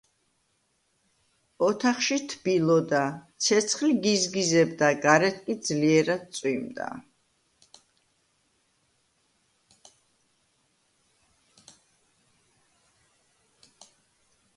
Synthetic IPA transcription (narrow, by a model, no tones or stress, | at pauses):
ɔt̪ʰaχʃit̪ʰb̥ilˠɔd̪at̪sʰɛt̪sʰχliɡizɡizɛbd̪aɡaɾɛt̪̚ʰkʼid̪zliɛɾad̪̚sʼwimd̪a̰